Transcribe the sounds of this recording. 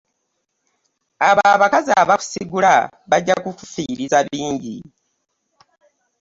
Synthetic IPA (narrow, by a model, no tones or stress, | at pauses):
aβaβakazaβaku̥siɡula | βaɟːakukufiːɾizaβiːɲɟḭ